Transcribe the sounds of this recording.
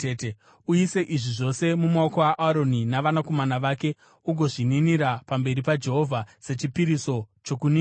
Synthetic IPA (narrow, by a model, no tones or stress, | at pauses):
ete | uise̞ʔiʐiʐo̞se̞mumaokowaʔaɾo̞ninaʋanako̞manaʋaːke̞ | uɡʱo̞ʐininiɾapambe̞ɾipad͡ʒe̞ɦo̞vʱase̞t͡ʃipiɾiso̞t͡ʃokuniː